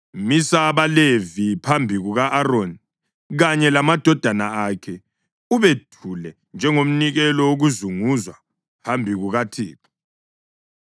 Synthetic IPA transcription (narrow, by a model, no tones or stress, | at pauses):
misaβalevipʰambʱiɣuɣaʔːɾoni | ɣaɲɛlamad̥ʱɔd̥ʱanaakʰɛ | uβetʰulɛ | nd͡ʒʱɛŋom̩niɣɛlɔoɣuzuŋuzwa | hambʱiɣuɣatʰḭːtʰɔ̥